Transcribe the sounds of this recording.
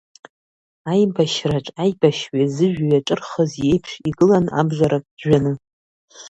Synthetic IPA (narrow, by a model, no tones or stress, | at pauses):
ajmbaʃraʈ͡ʂʼajbaʃɥazɨʒᶣajaʈ͡ʂʼɨrχəzje̞jpʰʂiɡɨlana̰bʒʷaɾakʼʒᶣanɨ